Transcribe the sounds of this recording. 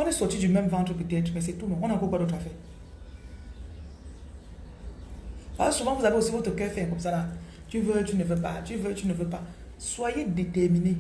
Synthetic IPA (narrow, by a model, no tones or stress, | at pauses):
ɔnisot͡ʃid͡ʒumem̩vaŋtɾupitetmesetumowonakokadotafɛ | basumauzabeosiotokefeŋkusala | t͡ʃivət͡ʃunevəpa̰t͡ʃivət͡ʃunevəpa | swajedetemine